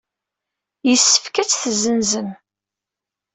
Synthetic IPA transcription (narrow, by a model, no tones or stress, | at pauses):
jəsːə̥fkæt͡sːθzənzən